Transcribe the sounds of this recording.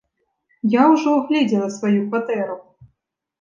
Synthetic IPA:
jawʐɔɣlʲed͡zʲɛlˠɐsvajukvat̪ɛɾu

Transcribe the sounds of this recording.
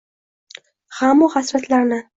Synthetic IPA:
hamːɒχasɾat̪ʰlaɾnɪ

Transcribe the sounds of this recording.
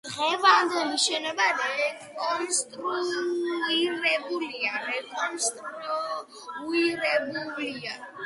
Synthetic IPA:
d̪̥ʁɛvand̪ɛliʃɛnɔbaɾɛɛ | ɔnst̪ʼɾu | iɾɛbuliaɾɛkʼɔnst̪ʼɾuɾɔ | uiɾɛbulia

